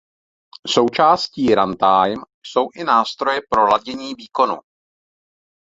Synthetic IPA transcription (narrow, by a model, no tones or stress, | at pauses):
so̞wt͡ʃaːsciːɾant̪ajm | so̞wʔɪnaːst̪ɾo̞jɛpɾo̞laɟɛɲiːviːko̞nṵ